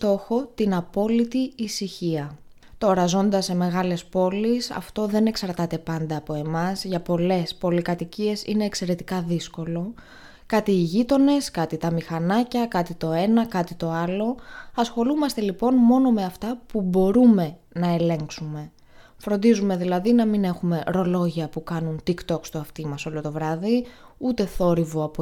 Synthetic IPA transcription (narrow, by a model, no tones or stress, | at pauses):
t̪o̞xo̞t̪inɐpo̞lit̪iːsiçiɐ | t̪oɾɐzo̞nd̪ɐsːe̞me̞ɣɐle̞spo̞lisɐ̰ft̪o̞ðe̞ne̞ksɐɾt̪ɐt̪e̞pɐnd̪ɐːpo̞e̞mɐzʝɐpo̞le̞spo̞likɐt̪icie̞sḭne̞ːkse̞ɾe̞t̪i̥kɐðisko̞lo̞ | kɐt̪iːʝit̪o̞ne̞skɐt̪it̪ɐmixɐnɐcɐkɐt̪it̪o̞e̞nɐkɐt̪it̪o̞ɐlo̞ɐsxo̞lumɐst̪e̞lipo̞nmo̞no̞me̞ɐft̪ɐpubo̞ɾume̞ | nɐe̞le̞ŋksume̞ | fɾo̞nd̪izume̞ðilɐðinɐmine̞xume̞ʔɾo̞lo̞ʝiɐpukɐnunt̪ikt̪o̞kst̪uɐft̪imɐso̞lot̪o̞vɾɐðiut̪e̞θo̞ɾivoɐp